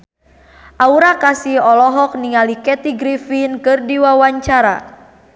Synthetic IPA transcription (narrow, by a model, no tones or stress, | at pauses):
ʔauɾakasiɔlɔɦɔk̚niŋalikɛt̪iɡɾifinkɨrdiwawaɲt͡ʃaɾa̰